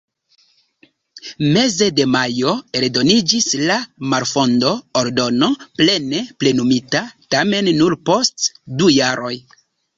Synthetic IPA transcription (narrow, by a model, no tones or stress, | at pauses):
me̞ze̞de̞majo̞e̞ldo̞nid͡ʒislamaɾfo̞ndo̞oɾdo̞no̞ple̞ne̞ple̞numitatame̞nːuɾpo̞stdujaɾʔo̞j